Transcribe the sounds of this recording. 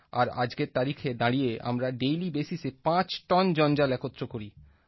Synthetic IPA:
aɾa̰d͡ʑɡeɾt̪aɾikʰed̪aɽijeʔa̰mɾaɖejlibesisepãt͡ɕʈɔnd͡ʑɔnd͡ʑalɛkot̪ːɾokoɾi

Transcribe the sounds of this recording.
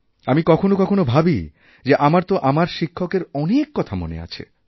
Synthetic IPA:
amikɔkʰonokɔkʰonobʱabi | d͡ʑeʔamaɾt̪oʔamaɾʃikʰːokeɾɔnekːɔt̪ʰamo̰nḛa̰t͡ɕʰḛ

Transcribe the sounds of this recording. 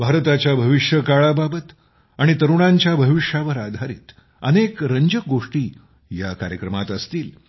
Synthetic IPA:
bʱaɾt̪at͡ɕjabʱəʋiʂjəkaɭababət̪ | aɽ̃it̪əɾuɽ̃aɲt͡ɕjabʱəʋiʂaʋəɾad̪ʱaɾḭːt̪ | ənekɾəɲd͡ʑək̚ɡoʂʈiː | jakaɾjəkɾəmat̪əst̪iːl

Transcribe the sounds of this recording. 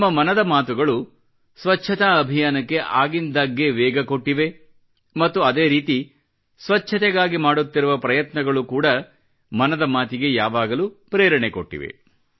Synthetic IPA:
mːɐmɐnɐd̪ɐmaːt̪uɡɐɭu | sʋɐt͡ʃːʃʰɐt̪aɐbʱijaːnɐkːe̞ʔaːɡind̪aɡːeʋɛːɡɐkoʈːiʋe̞ | mɐt̪ːuɐd̪e̞ːɾiːt̪i | sʋɐt͡ʃʰːɐt̪ɛɡaːɡimaːɽut̪ːiɾuʋɐpɾɐjɐt̪nɐɡɐɭukuːɽɐ | mɐnɐd̪ɐmaːt̪iɡe̞jaːʋaːɡɐlupɾeːɾɐɳɛkoʈːḭʋḛ

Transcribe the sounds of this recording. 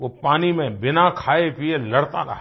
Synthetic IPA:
ʋopaːnimẽbɪnakʰaːepielɐɽt̪a̰ɾa̰ɦ

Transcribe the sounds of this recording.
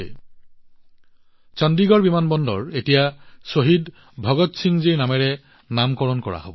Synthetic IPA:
ḛ | t͡ʃɔndiɡɔɹbimanbɔndɔ̰ɹetijasoɦid | bʱɔɡɔtsiŋziɹnamɛɹɛ | namkɔɹɔnkɔɹa̰ɦobɔ

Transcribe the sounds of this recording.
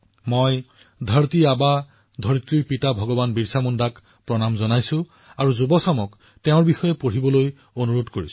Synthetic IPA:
moj | dʱaɹtiaba | dʱoɹit̪ɹipitabʱɔɡɔbanbiɹsamundak | pɹɔnamzɔnajsʊ̃ | aɹuzubɔsamɔk | teʊ̃ɹbixɔjɛpoɹibɔloj | onuɹodkoɹis

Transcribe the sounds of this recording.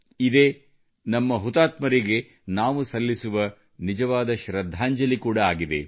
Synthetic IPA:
id̪e̞ | nɐmːɐɦut̪aːt̪mɐɾiɡe̞ | naːʋusɐlːisuʋɐ | nid͡ʒɐʋaːd̪ɐʃɾɐd̪ʱːaːɲd͡ʒɐlikuːɽɐaːɡid̪e̞̰

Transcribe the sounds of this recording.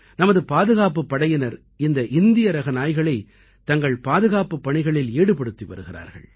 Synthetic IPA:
nɐmɐðɯpaːðɯɣaːp̬ɯpːɐɽɐjɐnɐɾ | ɪnd̪ɐʔɪnd̪ɪjɐɾɐɣɐnaːjɣɐɭɐɪ | t̪ɐŋɡɐɭpaːðɯɣaːpɯpːɐɳɪɣɐɭɪleːɽɯpɐɽɯt̪ːiʋɐ̰ɾɯɣɪɾa̰ːɾɣɐ̰ɭ

